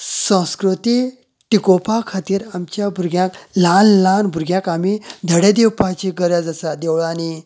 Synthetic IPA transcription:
sə̃wskɾut̪i | ʈikopakʰat̪iːɾamt͡ɕjabʱuɾɡjãklanlanbʱuɾɡjãkamid̪ʱəɽed̪ewpat͡ɕiɡəɾjad͡zəsad̪ewɭani

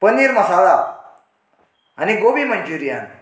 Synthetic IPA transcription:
pəniɾməsaɭa | aniɡobiməɲd͡ʑuɾija̰n

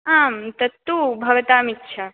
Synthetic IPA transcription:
amt̪ɐt̪ubʱɐʋɐt̪aːmitːʃʰa

